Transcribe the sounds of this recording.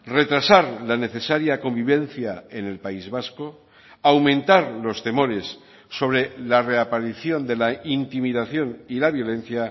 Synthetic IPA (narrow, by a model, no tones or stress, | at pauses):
re̞t̪ɾasaɾlane̞θe̞saɾjako̞mbiβe̞n̟θjaene̞lpaizβasko | awmẽ̞nt̪aɾlo̞st̪e̞mo̞ɾe̞sː | o̞β̞ɾe̞lare̞apaɾiθjo̞nd̪e̞laint̪imiðaθjo̞nilaβjo̞lẽ̞n̟θja